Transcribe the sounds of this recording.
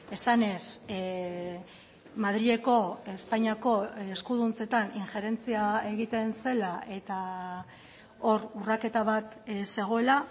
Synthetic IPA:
e̞sane̞s | maðɾie̞ko̞e̞spaɲiako̞eskuð̞unt͡se̞t̪aniŋxe̞ɾe̞nt͡siae̞ɣ̞it̪e̞nse̞lae̞t̪a | o̞ɾurake̞t̪aβat̪se̞ɣ̞o̞e̞la

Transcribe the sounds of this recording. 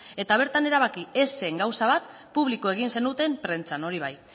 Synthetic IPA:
e̞t̪aβ̞e̞ɾt̪ane̞ɾaβ̞akieseŋɡawsaβat̪ | puβ̞likoe̞ɣ̞inse̞nut̪e̞mpɾe̞nt͡sano̞ɾiβ̞aj

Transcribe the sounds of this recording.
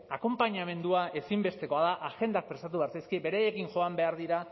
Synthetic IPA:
ako̞mpaɲame̞nd̪uaʔe̞simbe̞st̪e̞ko̞aðaʔaxe̞nd̪ak̚pɾe̞st̪at̪̬uβɾsajskibe̞ɾaje̞kinʝo̞ambe̞aɾðiɾa

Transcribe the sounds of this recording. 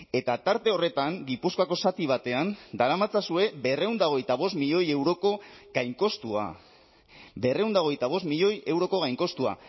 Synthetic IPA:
e̞t̪at̪aɾt̪e̞o̞re̞t̪aŋɡipuskoako̞sat̪iβ̞at̪e̞and̪aɾamat͡sasue̞be̞re̞wnd̪aɣ̞ejt̪aβ̞o̞st̪miʎo̞je̞wɾo̞ko̞ɣ̥ajŋko̞st̪ua̰ | be̞re̞wnd̪aɣ̞ejt̪aβ̞o̞st̪miʎo̞je̞wɾo̞ko̞ɣ̞ajŋko̞st̪ua̰

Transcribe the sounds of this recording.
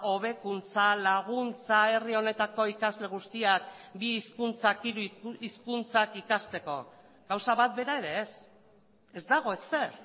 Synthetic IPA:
o̞β̞e̞kunt͡salaɣ̞unt͡sae̞rio̞ne̞t̪ako̞ikazle̞ɣ̞ust̪iakbiːskunt͡sakiɾuiskunt͡sakikast̪e̞ko̞̰ | ɡ̥awsaβat̪̚be̞ɾae̞ɾe̞ːs | e̞zd̪aɣ̞o̞ese̞ɾ

